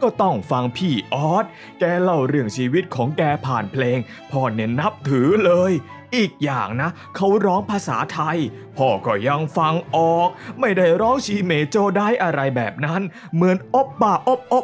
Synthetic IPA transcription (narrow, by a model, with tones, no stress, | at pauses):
kɔː˥˩t̪ɔ˥˩ŋfa˧ŋpʰiː˧˥˩ʔɔː˦˥t̪̚ | kɛː˧la˧˩wɾɯ˧˩əŋt͡ɕʰiː˧wi˦˥t̪̚kʰɔː˩˦ŋkɛː˧pʰaː˨˩npʰleː˧ŋ | pʰɔː˧˩ne˦˧˩nːa˦˥p̚t̪ʰɯː˨˩˦lɤː˧j | ʔiː˨˩k̚jaː˨˩ŋna˦˥ | kʰa˦˥wɾɔː˦˥ŋpʰaː˧sa̰ː˩˦t̪ʰa˧j | pʰɔː˧˩kɔː˧˩ja˧ŋfa˧ŋʔɔː˨˩k̚ma˥˩jda˥˩jɾɔː˦˥ŋt͡ɕʰiː˧meː˨˦t͡ɕoː˧˩daː˥˩jʔa˧ɾa˧jbɛ̰ː˨˩p̚na˦˥n | mɯ˩˦ənʔo˦˥p̚baː˨˩ʔo˦˥p̚ʔo˦˥